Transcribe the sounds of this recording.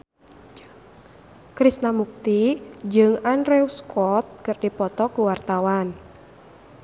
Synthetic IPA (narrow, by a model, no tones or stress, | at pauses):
kɾisnamuk̚t̪id͡ʒɨŋanɾɛuskɔt̪̚kɨrdipɔt̪ɔkuwart̪awan